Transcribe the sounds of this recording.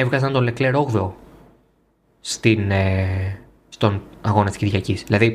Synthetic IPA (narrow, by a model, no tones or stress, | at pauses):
evɣɐzɐnt̪o̞nlekle̞ɾoɣðo̞ | st̪ine | st̪o̞nɐɣo̞nɐt̪isciɾʝɐcisðilɐði